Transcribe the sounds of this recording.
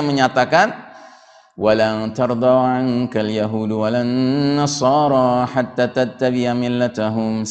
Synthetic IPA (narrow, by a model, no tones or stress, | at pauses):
məɲat̪akan | walat̪ɑɾd̪ˤawʕaŋkaljaɦuːdwalanːɑsˤɑːɾˤɑħat̪ːaːt̪at̪ːabɪʕamɪlːat̪aɦʊm